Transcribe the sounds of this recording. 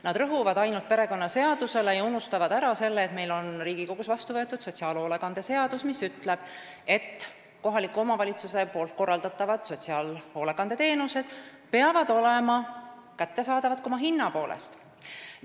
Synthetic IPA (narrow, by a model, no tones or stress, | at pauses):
nɑd̪ɾɤɦuvɑd̪̥ɑjnult̪̚pe̞ɾe̞ko̞nːɑse̞ɑd̪̥use̞lejɑunust̪ɑvɑd̪æɾɑse̞lːeːt̪me̞jlo̞nriːɡ̥iko̞ɡ̥usvɑst̪uvɤ̞et̪ːˑud̪̥so̞t̪ʲsiɑːlo̞ːle̞ɡɑnd̪e̞se̞ɑd̪usmisyt̪le̞b̥ | e̞t̪ː | ko̞ɦɑlikːuo̞mɑvɑlʲit̪suse̞po̞ːlt̪̚ko̞rːɑld̪̥ɑt̪ːˑɑvɑd̪̥so̞t̪ʲsiɑːlo̞ːle̞ɡɑne̞t̪e̞ːnuse̞d̪̥ | pe̞ɑvɑd̪̥o̞le̞mɑkæt̪ːe̞sɑːd̪ɑvɑd̪̚komɑɦinːɑpo̞ːlʔḛst̪